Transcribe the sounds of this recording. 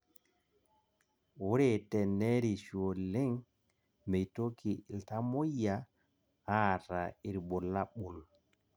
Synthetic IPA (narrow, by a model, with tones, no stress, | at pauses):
wu˦ɾe˨tɛ˨nɛ˦ɾi˨ʃo˨le˦ŋ | me˨jto˦kʰi˨lta˦mo˦ja˨ | ha˦ta˨i˨ɾbo˨lːa˦ɓu˨l